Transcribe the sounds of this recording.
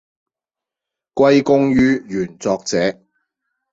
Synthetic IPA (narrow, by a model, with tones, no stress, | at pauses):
kʷɐ˥jkʊ˥ŋjyː˥jyː˨˩nt͡sɔː˧k̚t͡sɛː˨˥